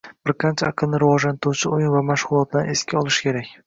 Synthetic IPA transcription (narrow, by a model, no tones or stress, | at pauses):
b̥ɪɾqʰɑnt͡ʃʰaaqʰɨlˠnɪɾɪvɒʒlant̪ɾuwt͡ʃʰɪojɪnvamaʃʁʊlˠɒt̪̚laneskʲʰaɒlˠɪʃkʲe̞ɾakʲ